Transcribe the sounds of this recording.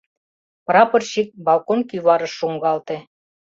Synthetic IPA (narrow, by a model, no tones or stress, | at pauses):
pɾɑpɤ̆rɕik̚bɑlˠkonkyβɑɾɤ̆ʃuŋɡɑlt̪ĕ